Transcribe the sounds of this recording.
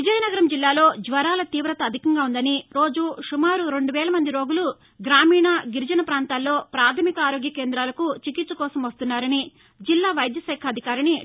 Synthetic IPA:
ʋid͡ʒɐjɐnɐɡɐɾɐmd͡ʒilːaːlo̞ːd͡ʒʋɐɾaːlɐt̪iːʋɾɐt̪ɐːd̪ʱikɐŋɡaːund̪ɐniɾo̞ːd͡ʒuʂumaːɾuɾe̞ɳɖuʋɛːlɐmɐnd̪iɾo̞ːɡulu | ɡɾaːmiːɳɐɡiɾd͡ʒɐnɐpɾaːnt̪aːlːo̞ːpɾaːt̪ʰɐmikɐaːɾoːɡjɐkeːnd̪ɾaːlɐkut͡ʃikit̪sɐkɔːsɐmʋɐst̪unːaːɾɐni | d͡ʒilːaːʋɐjd̪jɐsɛːkʰɐd̪ʱikaːɾɐni

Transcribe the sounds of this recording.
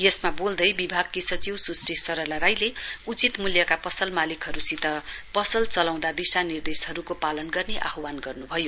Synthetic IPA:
jesmabold̪ʌjbibʱaɡkisʌt͡siwsusɾesʌɾʌlaɾajleut͡sit̪muljʌkapʌsʌlmalikɦʌɾusit̪ʌpʌsʌlt͡sʌlaw̃d̪ad̪isanird̪esɦʌɾukopalʌnɡʌrneʔa̰ɦwanɡʌrnubʱʌjo

